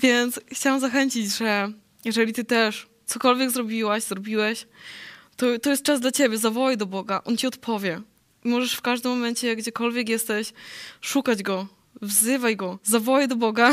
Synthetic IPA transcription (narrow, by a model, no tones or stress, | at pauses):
vʲjɛnt̪sxt͡ɕawamzaxɛɲt͡ɕid͡ʑʐɛ | jɛʐɛlʲit̪ɘt̪ɛʂ | t̪sɔkɔlvʲjɛɡzɾɔbʲiwaɕzɾɔbʲiwɛɕ | t̪ɔt̪ɔjɛst̪̚t͡ʂazd̪lat͡ɕebʲjɛzavɔwajd̪ɔbɔɡaʔɔnt͡ɕiɔt̪pʰɔvʲjɛ | imɔʐɛʂfkaʐd̪ɘmːɔmɛnt͡ɕɛɡd͡ʑɛkɔlvʲjɛk̬jɛst̪ɛɕʂukad͡ʑɡɔ | vzɘvajɡɔzavɔwajd̪ɔbɔɡa